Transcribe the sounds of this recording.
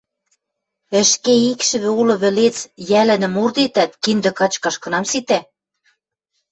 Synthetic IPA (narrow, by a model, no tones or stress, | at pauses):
ɘ̆ʃkeikʃɘ̆βɘ̆ulɤ̆βɘ̆let͡sjælɘ̆nɘ̆murd̪et̪æt̪kind̪ɘ̆kɑt͡ɕkɑʃkɤ̆nɑmsit̪æ